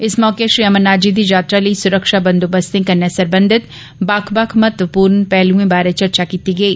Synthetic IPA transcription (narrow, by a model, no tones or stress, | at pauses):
ɪsmɔːkeʃɾiːɐmənːaːd͡ʒid̪id͡ʒaːt̪ɾaliisʊɾəkʃabɐ̃nd̪obəst̪ẽkɐnːasɐɾbə̃nd̪ʱɪt̪ | baːkʰbakʰmɐt̪ʋəpuːɾnpɛːlũẽbaːɾet͡ʃɐɾt͡ʃakiːt̪iɡɐiː